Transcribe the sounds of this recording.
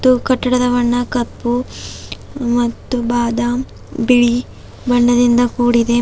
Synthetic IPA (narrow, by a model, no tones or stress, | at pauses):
t̪ːukɐʈːɐɽɐd̪ɐʋɐɳːɐkɐpːu | mɐt̪ːubaːd̪ɐ | biɭi | bɐɳːɐd̪ind̪ɐkuːɽid̪e̞